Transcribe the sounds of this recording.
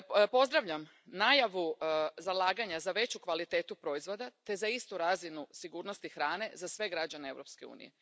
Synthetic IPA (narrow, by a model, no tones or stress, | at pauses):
po̞zd̪ɾaʋʎam | najaʋuzalˠaːɡaɲazaʋe̞t͡ɕukʋalit̪eːt̪upɾo̞izʋo̞d̪at̪e̞zaist̪uɾazinusiɡuːɾno̞st̪ixɾaːne̞zasʋe̞ɡɾad͡ʑanee̞ʋɾo̞pske̞ṵːnḭje̞̰